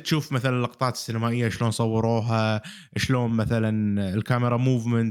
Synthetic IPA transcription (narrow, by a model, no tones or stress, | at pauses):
t̪ʃuːfmaθalanɪlʔɑqt̪ˤɑːt̪ɪ̥sːɪnamaːʔɪjːaʃloːnsˤɑwːɑɾˤoːɦa | ʃloːnmaθalanɪlkamɪɾˤɑmuːvmənt̪